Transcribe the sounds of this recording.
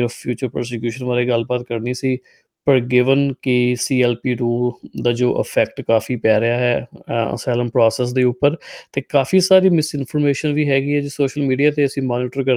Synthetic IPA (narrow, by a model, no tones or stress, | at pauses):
ɾpʰjuːt͡ʃəɾpə̰ɾs̬ekjuːʃənʋaːɾeːɡəlbaːt̪kəɾniːsiː | pəɾɡɪʋənkɪsiːɛːlpiːɾuːld̪aːd͡ʒoːʔə̰pʰɛːkʈkaːfiːpɛːɾɪaːɦɛːə̰sɛːləmpɾɔːsɛːs̬d̪eːʊpːəɾt̪eːkaːfiːsaːɾiːmɪsɪnpʰɔɾmeːʃənʋiːɦɛːɡiːɛːd͡ʒeːsoːʃəlmiːɖijaːt̪eːəsĩːmaːniːʈəɾkə